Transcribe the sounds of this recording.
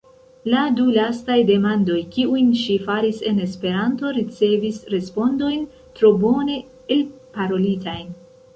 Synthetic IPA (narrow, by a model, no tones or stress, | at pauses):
ladulastajde̞mando̞jkiujnʃifaɾise̞ne̞spe̞ɾanto̞ɾit͡se̞visɾe̞spo̞ndo̞jn | tɾo̞bo̞ne̞ | elpaɾo̞litajn